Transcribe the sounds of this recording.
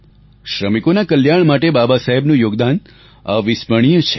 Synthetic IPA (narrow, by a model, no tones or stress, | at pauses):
ʃɾəmikonakəljaɳmaʈebabasaɦebnũjoɡd̪an | a̰ʋispəɽ̃ijõt͡ʃʰe̥